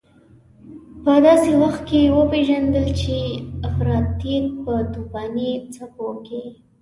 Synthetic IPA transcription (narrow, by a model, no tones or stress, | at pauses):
pəd̪ɑsewaxt̪̚kewəpeʒand̪əlt͡ʃeafɾɑt̪ːit̚pəd̪ubɑnit͡sapoke